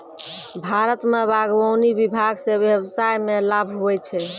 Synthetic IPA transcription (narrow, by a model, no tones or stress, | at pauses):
bʱaɾət̪mebaɡʋəwnibibʱaɡsebjebsajmelabʱɦuɛt͡ʃʰɛ